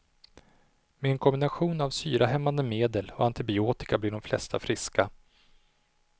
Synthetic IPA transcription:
meɛnkʰɔmbɪnaɧuːnavsyːɾʔaɦɛmːand̪əmeːd̪əlɔant̪ɪbɪoːt̪ɪ̥kablɪɖɔmflɛ̰st̪ʰafɾɪska

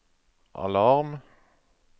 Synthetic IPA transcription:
ʔɑ̰lɑʁm

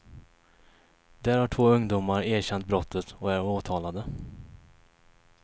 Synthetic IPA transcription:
d̪æːɾhaʈʰvoːɵŋd̪uːmaɾæːɕɛnt̪̚bɾɔt̪ʰːət̪ɔæɾoːt̪ʰɑːlad̪ə

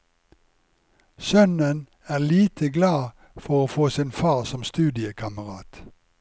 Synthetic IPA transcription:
sœnən | æːʁliːt̪ʰəɡlɑː | fɔʁoːfoːsiːnfɑːʁsɔmst̪ʉːd̪ɪəkʰɑməʁɑːt̪

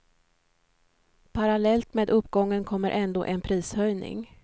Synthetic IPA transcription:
pʰaɾalɛlt̪meːd̪ɵpːɡɔŋːənkʰɔmːə̰ɾʔɛnd̪o̰ːʔɛnpʰɾiːshœjnɪ̰ŋ

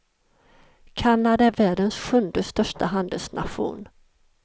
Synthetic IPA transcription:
kʰanːad̪aæɾvæːɖənsɧɵnd̪əst̪œʂʈaɦand̪əlsnʔa̰ɧṵːn

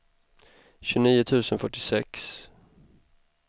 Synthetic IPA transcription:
ɕɵniːʊt̪ʰʉ̟ːsənfœʈːɪsɛks

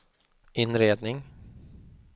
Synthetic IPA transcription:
ɪnɾeːd̪nɪŋ

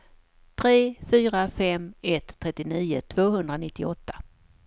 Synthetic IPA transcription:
t̪ʰɾeːfyːɾafɛmɛt̪ʰːɾɛt̪ːɪniːʊ̰t̪ʰvoːɦɵnd̪ɾanɪt̪ːɪɔt̪ːḁ

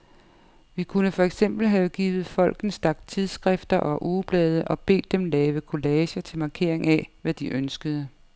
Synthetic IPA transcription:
ʋikʰunəfɒ̽eɡ̥sem̰b̥l̩ɦɛð̩ˠɡ̥iːʋð̩ˠfɒ̽l̰ɡ̥n̩sd̥ɑɡ̥̚d̥̚t͡sʰiðˠsɡ̥ʁɛfd̥ɐʔɒ̽ʔuːb̥lɛːð̞ˠəʔɒ̽b̥e̝̰ːd̥ːemlɛːʋəkʰo̝lɛːɕɐt͡sʰe̝lmɑ̈kʰe̝ɐ̰e̝ŋæʋæd̥iʔønsɡ̥əð̞ˠə

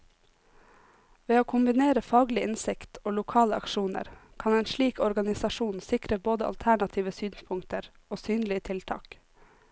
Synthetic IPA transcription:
ʋeːoːkʰʊmbɪneːɾəfɑːɡlɪʔɪnsɪkt̪ʰoːlʊkʰɑːləɑ̰kʃuːnə̰ɾkʰɑneːnʃɭiːkɔɾɡɑnɪsɑʃuːnsɪkɾəboːd̪əɑ̰lt̪ʰæɳɑt̪ʰiːʋəsyːnspʰʊŋkt̪əɾ | oːsyːnlɪət̪ʰɪlt̪ʰɑ̰ːk

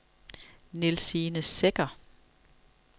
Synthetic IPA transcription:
nelsiːnəseɡ̥ɐ

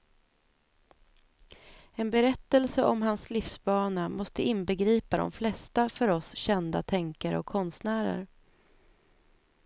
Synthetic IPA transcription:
ɛnbɛɾɛt̪ːɛlsəʔɔmɦanslɪfsbɑːnamɔst̪əɪnbəɡɾiːpad̪ɔ̰mflɛst̪afœɾɔsɕɛnd̪a̰t̪ʰɛŋkaɾə̰ɔkʰːɔnst̪næːɾə̰ɾ

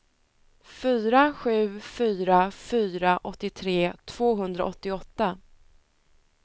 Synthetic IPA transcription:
fyːɾaɧʉ̟ːfyːɾafyːɾaʔɔt̪ːɪt̪ʰɾeːt̪ʰv̥oːɦɵnd̪ɾa̰ʔɔt̪ːɪɔt̪ːa

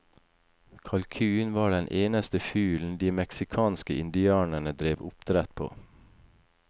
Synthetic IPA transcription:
kʰɑlkʰʉːnʋɑːɖɛnʔeːnəst̪əfyːln̩d̪iːmɛksɪkʰɑːnskəʔɪ̰nd̪ɪɑːnəɳəd̪ɾeːʋʊpt̪ʰɾɛt̪pʰo̰ː

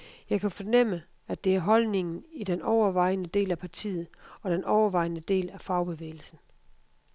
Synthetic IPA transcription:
jɑ̈ɪkʰæfɒ̽nem̰ə | æd̥e̝æɐɦɒ̽lne̝ŋn̩id̥enɒʊɐʋɑ̈ɪ̰nəd̥e̝̰ːlæpʰɑ̈t͡sʰḭːð̞̩ˠɒ̽ɾ̥enʔɒʊɐʋɑ̈ɪnəd̥e̝̰ːlæfɑ̈ʊb̥e̝ʋḛːɪl̩sn̩

